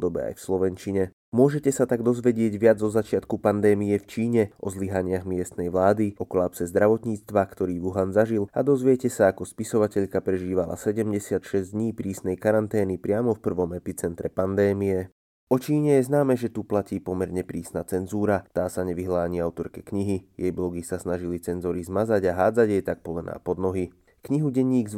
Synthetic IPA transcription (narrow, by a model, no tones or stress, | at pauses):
d̪ɔbɛ̰a̰jfslɔʋɛnt͡ʃiɲɛ | mʊɔʒɛcɛsat̪aɡd̪ɔzʋɛɟɪɛɟʋɪad͡zzɔzat͡ʃɪat̪kupand̪ɛːmijɛft͡ʃiːɲɛʔɔ̰zliɦaɲɪaɣmɪɛst̪nɛjʋlaːd̪iɔkɔlaːpsɛzd̪ɾaʋɔt̪ɲiːt͡st̪ʋakt̪ɔɾiːʋuɦanzaʒilad̪ɔzʋɪɛcɛsaːkɔspisɔʋacɛʎkapɾɛʒiːʋala̰sɛɟɛmɟɛsɪat̪ʃɛzd̪ɲiːpɾiːsnɛjkaɾant̪ɛːnipɾɪamɔfpr̩ʋɔmɛpit͡sɛnt̪ɾɛpand̪ɛːmijɛ | ɔt͡ʃiːɲɛjɛznaːmɛʒɛt̪uplaciːpɔmɛɾɲɛpɾiːsnat͡sɛnzuːɾat̪aːsaɲɛʋiɦlaːɲiːaʊt̪ɔɾkɛkɲiɦijɛjblɔɡisasnaʒilit͡sɛnzɔɾizmazaɟaɦaːd͡zaɟjɛjt̪ak̚pɔlɛna̰ːpɔd̪nɔɦi | kɲiɦuɟɛɲːiːɡz